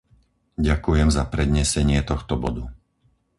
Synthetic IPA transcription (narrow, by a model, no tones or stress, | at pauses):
ɟakujɛmzapɾɛd̪ɲɛsɛɲɪɛt̪ɔxt̪ɔbɔd̪u